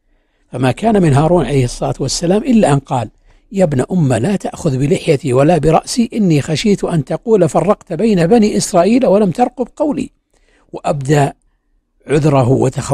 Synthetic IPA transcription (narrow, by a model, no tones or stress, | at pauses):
famaːkaːnamɪnɦaːɾˤuːnʕalejhɨsˤːɑlaːt̪wasːalaːmʔɪlːaʔanqɑːl | jabnaʔʊmːalaːt̪aʔxʊðbɪlɪħjat̪iwalabɪɾˤɑʔsiʔɪnːixaʃiːt̪ʔant̪ɑquːlafɑrˤːɑqt̪bajnabaniːʔɪsɾˤɑːʔiːlawalamt̪ɑɾˤqʊbqɑwlḭ | waʔabd̪a | ʕʊðɾˤɑɦwʔa̰t̪axa